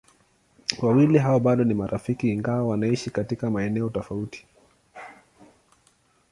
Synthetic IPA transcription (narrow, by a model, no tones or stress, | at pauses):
wawiliɦawɔɓaɗɔnimaɾʔafikiːŋɡawawanaiʃikatikamaɛnɛɔtɔfauti̥